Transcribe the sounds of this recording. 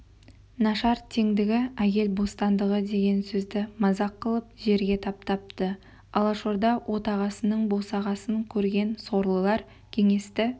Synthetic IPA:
nɑʃɑɾt̪ʰeŋd̪ɪɡʲɪækʲe̞lbo̞st̪ɑnd̪əʁəd̪e̞ɡʲe̞nsɵzd̪ɪmɑzɑqːəlˠəp̚ʒe̞ɾɡʲe̞t̪ʰɑp̚t̪ɑp̚t̪ə | ɑlˠɑʃoɾd̪ɑwʔo̞t̪ɑʁɑsənəɴbo̞sɑʁɑsəŋkʲʰɵɾɡʲe̞nso̞ɾlˠəlˠɑɾ | kʲʰe̞ŋe̞st̪ɪ

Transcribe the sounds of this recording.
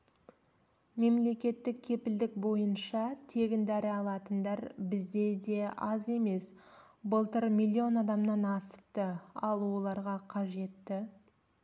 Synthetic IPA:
me̞mle̞kʲe̞t̪ːɪk̚kʲʰe̞pɪld̪ɪk̚bo̞jənʃɑt̪ʰe̞ɡʲɪnd̪æɾɪɑlˠɑt̪ənd̪ɑɾbɪzd̪e̞d̪e̞ɑze̞me̞s | bəlˠt̪əɾmʲilʲːio̞nɑd̪ɑmnɑnɑsə̥p̚t̪əɑlˠwo̞lˠɑɾʁɑqʰɑʒe̞t̪ːɪ

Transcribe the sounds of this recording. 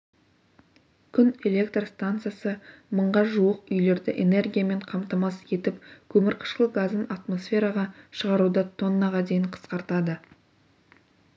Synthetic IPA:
kʲʰʏne̞le̞k̚t̪rst̪ant̪sɨjasəməɴʁɑʒuəqʏjle̞ɾd̪ɪʔe̞̰ne̞rɡʲijame̞ɴqʰɑmt̪ɑmɑsje̞t̪ɪpkʲʰɵmɪɾqʰə̥ʃqəlˠɡazənat̪mo̞sfʲe̞ɾɑʁɑʃəʁɑɾud̪ət̪ʰo̞nːɑʁɑd̪e̞jɪɴqʰə̥sqɑɾt̪ɑd̪ə

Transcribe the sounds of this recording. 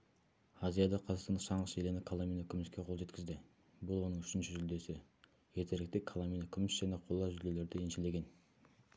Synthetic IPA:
azijɑd̪ɑqʰɑzɑqsɑnɑʃɑɴʁəselenɪkʰalˠaminɵkʲʰɪmɪskʲe̞qʰolˠʒe̞t̪kʲɪzd̪ɪ | bʊlˠwo̞nəŋʏʃɪnʃɪʒʏld̪e̞sɪ | jet̪e̞ɾɪkt̪ɪkʰalˠaminokʲʰʏmɪsʒ̥æne̞qʰo̞lˠːɑʒʏlele̞ɾd̪ɪenʃɪle̞ɡʲe̞n

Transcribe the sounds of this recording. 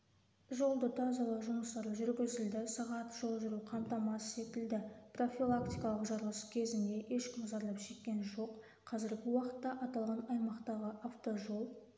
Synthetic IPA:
ʒo̞lˠd̪ət̪ʰɑzɑlˠɑʒʊməst̪ɑɾʒʏɾɡʲɪzɪld̪ɪsɑʁɑt̪ʒ̥o̞lˠʒʊɾuqʰɑmt̪ɑmɑsse̞t̪ɪld̪ɪpro̞fʲilˠak̚t̪ijkɑlˠəqʒɑɾlˠəskʲʰe̞zɪnd̪e̞ʔe̞ʃkʲʰɪmʒɑɾlˠɑpʒ̥e̞kʲːe̞nʒo̞qʰ | ɑzɪɾɡʲɪwɑqə̥t̪ːɑʔɑt̪ɑlˠʁɑnɑjmɑqt̪ɑʁəʔaft̪o̞ʒo̞lˠ

